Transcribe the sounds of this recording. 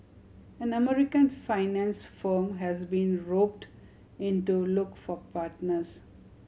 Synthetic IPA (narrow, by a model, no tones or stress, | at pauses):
æ̃nəmɛɾɪkə̃nfaɪnæ̃nsfəɾmɦæzbĩːnɾoːp̚ʈ | ɪ̃ɳʈulʊkfɔpaːɾʈnəɾz̥